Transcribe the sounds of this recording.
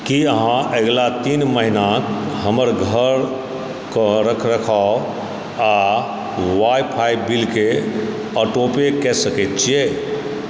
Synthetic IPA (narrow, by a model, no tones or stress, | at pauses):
kiəɦãʔəɡlat̪inməɦinakɦəməɾɡʱəɾ | kəɾəkʰɾəkʰa | a | wajpʰajbilke | əʈopekɛsəkɛt̪t͡ʃʰije